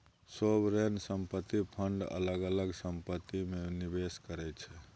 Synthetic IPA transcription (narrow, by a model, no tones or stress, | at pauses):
sobɾensəmpət̪ːipʰəɳɖə̰ləɡələɡsəmpət̪ːimenibeskəɾɛt͡ʃʰɛ